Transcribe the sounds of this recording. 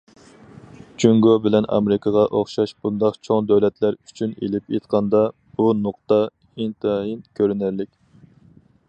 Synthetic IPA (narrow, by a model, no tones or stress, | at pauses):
t͡ʃʰyŋɡobɪlɛnʔɑ̰meɾɪkʰɑʁɑʔoχʃɑʃbund̪ɑqt͡ʃʰoŋd̪ɛwlɛt̪læɾy̥t͡ʃʰynḛlɪpʰjet̪qʰɑnd̪ɑ | b̥unʊq̚t̪ɑ | int̪ʰɨɦinkʲʰøɾynæɾlɪkʲ